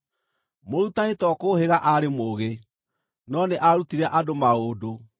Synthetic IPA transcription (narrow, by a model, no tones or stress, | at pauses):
moɾutanetɔkoːheɣaʔaɾemoːɣe | nɔneʔaɾutiɾɛʔadomaoːdo